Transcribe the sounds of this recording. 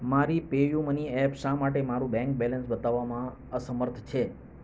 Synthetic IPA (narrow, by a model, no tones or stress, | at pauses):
maɾipejuməniɛpʃãmaʈemaɾũbɛ̃ŋk̚bɛlə̃nsbət̪aʋːamã | əsəməɾt̪ʰt͡ʃʰe